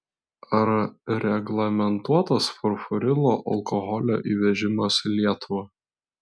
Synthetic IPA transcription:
ɐɾɐɾʲɛɡlˠɐmʲɛnt̪uɔt̪ɐsfɔɾfɔɾʲɪlˠoːʔɐ̰lˠkɔɣɔlʲo̰ːʔiːʋʲɛʒʲɪmɐslʲiɛt̪ʊʋɐ

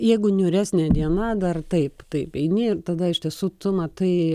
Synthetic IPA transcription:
jɛɪɡʊnʲʊɾʲæːsʲnʲeːd̪ʲiɛnɐd̪ɐrt̪ɐɪpt̪ɐɪpɛɪnʲɪɪrt̪ɐd̪ɐɪʃʲt̪ʲiɛsuːt̪ʊmɐt̪ɐɪ

